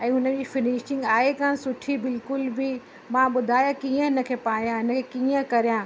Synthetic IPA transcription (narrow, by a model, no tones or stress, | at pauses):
ɛ̃ːɦʊnəd͡ʑiːfɪniːʃɪ̃ŋɡaːekʰãsʊʈʰibɪlkʊlbʱi | mãɓʊd̪ʱaːjãkiə̃ɦɪnə̆kʰeːpaːjãɦɪnə̆kʰekiːə̃kɐɾijã